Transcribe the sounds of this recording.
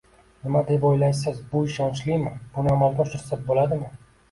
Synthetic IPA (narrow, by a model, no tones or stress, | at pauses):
nɪmad̪epojlajsɪzbʊɪʃɒnt͡ʃlɪjmɪbʊnɪamalˠɡʲaʃʊɾsat̪̚bolad̪ɪmɪ